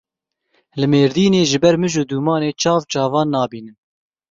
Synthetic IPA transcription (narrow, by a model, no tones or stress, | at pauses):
lɨmeːɾd̪iːneːʒɨbɛɾmɨʒud̪uːmɑːneːt͡ʃʰɑːvt͡ʃɑːvɑːnːɑːbiːnɨn